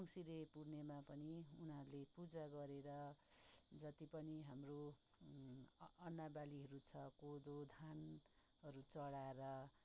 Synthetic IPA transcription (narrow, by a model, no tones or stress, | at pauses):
ʌŋsiɾepurnemapʌniunɦʌɾulepud͡zaɡʌɾeɾʌ | d͡zʌt̪ipʌniɦamro | ʌnːabaliɦʌɾut͡sʰʌkod̪od̪ʱan | ɦʌɾut͡sʌɽaeɾʌ